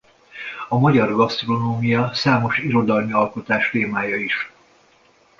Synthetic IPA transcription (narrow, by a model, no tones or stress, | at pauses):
ɒmɒɟɒrɡɒst̪ro̞noːmijɒsaːmo̞ʃiɾo̞d̪ɒlmiɒlko̞t̪aːʃt̪eːmaːjɒiʃ